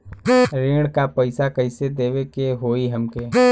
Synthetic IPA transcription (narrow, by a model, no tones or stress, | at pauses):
ɾẽːɽkapəɪsakəɪsed̪eːwekeɦoːiɦəmkeː